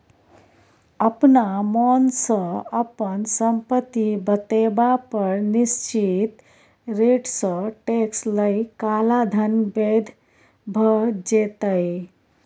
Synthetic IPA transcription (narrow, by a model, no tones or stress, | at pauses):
əpnamɔnsə̃əpənsəmpət̪ːibət̪ebapəɾnist͡ʃit̪ | ɾeʈsə̃ʈeksləjkalad̪ʱənbed̪ʱ | bʱəd͡ʒet̪əj